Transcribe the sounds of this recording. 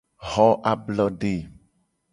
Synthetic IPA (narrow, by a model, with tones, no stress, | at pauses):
ɣɔ˦ʔa˦blɔ˦ɖe˨